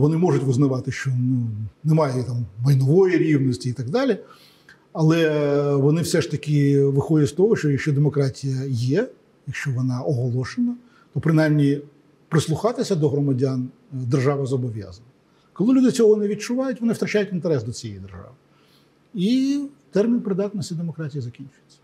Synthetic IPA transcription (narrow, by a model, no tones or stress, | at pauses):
ʋɔnɪmɔʐʊtʲʋʊznɐʋɑt̪ɪʃt͡ʃɔnunɛmɑjɛt̪ɑmʋɐjnɔʋɔjiɾʲiʋnɔsʲtʲiit̪ɐɡd̪ɑlʲi | ɐlˠɛʋɔnɪwsɛʂt̪ɐkʲɪʋɪxɔdʲɐtʲst̪ɔɦɔʃt͡ʃɔjɐkʃt͡ʃɔd̪emɔkɾɑtʲijɐjɛ | jɐkʃt͡ʃɔʋɔnɑʔɔɦɔlˠɔʃenɐ | t̪ɔpɾɪnajmnʲi | pɾɪslˠʊxɑt̪ɪsʲɐd̪ɔɦɾɔmɐdʲan | d̪erʒɑʋɐzɔbɔʋʲja̰zɐnɐ | kɔlˠɪlʲud̪ɪt͡sʲɔɦɔnɛʋʲid̚t͡ʃʊʋɑjʊtʲʋɔnɪft̪ɾɐt͡ʃajʊtʲint̪ɛɾɛsd̪ɔt͡sʲijɛjid̪erʒɑ̰ʋɪ | it̪ɛrmʲinpɾɪd̪ɑt̪nɔsʲtʲid̪emɔkɾɑtʲijizɐkʲinʲt͡ʃʊjett͡sʲːɐ̥